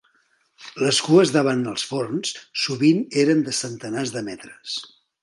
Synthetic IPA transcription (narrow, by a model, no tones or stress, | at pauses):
ləskuəzðaβanəlˠsfornsːuβineɾənd̪əsənt̪ənazðəmɛt̪ɾəs